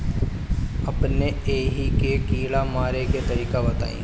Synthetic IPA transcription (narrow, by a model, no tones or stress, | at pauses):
ɐpneeːɦikekiːɽamaːɾeket̪ɐɾiːkabɐt̪a̰ːḭ̃ː